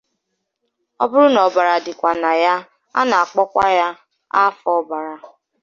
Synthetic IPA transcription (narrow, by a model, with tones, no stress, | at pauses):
ɔ̰˦bʊ˦ɾʊ˦nɔ˨ba˨ɾa˨dɪ˨kʷa˨na˨ja˦ | a̰˦na˨a˨k͡pɔ˦kʷa̰˦ja˦ | a̰˦fɔ˦ba˨ɾa˨